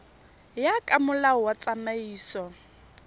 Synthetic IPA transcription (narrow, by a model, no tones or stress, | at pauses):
jakʼamʊlaɔwat͡sʼamaiːsɔ